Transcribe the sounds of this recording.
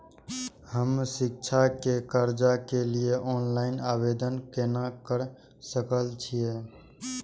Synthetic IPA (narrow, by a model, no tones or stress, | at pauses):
həmsik̚t͡ʃʰakekəɾd͡ʒakelijeʔɔːnlaɪnabed̪ənkenakəɾ | səkəlt͡ʃʰije